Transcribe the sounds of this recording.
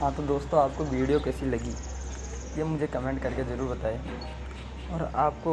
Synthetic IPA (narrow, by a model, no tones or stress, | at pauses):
ɦãt̪od̪oːst̪õaːp̚koʋiːɽijokɛːsilɐɡiː | jemʊd͡ʒʱekɐmẽɳʈkɐɾkezɐɾuːɾbɐt̪aːe | ɔːɾaːpko